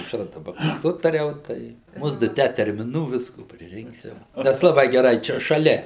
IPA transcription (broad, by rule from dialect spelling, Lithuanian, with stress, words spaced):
sʊ ɐʊʃˈrɐ dɐˈbɐ ˈsʊtɐrʲɛʊ ˈtɐɪ ˈmʊdʊ ˈtʲæː tʲɛrʲmʲɪˈnuː ˈʋʲɪskoː pʲrʲɪˈrʲɪŋksʲɪʋɐ ˈnʲɛs lˠɐˈbɐɪ ɡʲɛˈrɐɪ ˈt͡ʃʲɛ ʃɐˈlʲɛ